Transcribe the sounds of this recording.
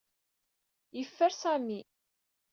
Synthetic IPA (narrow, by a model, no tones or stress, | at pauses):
jəfːəɾsæmi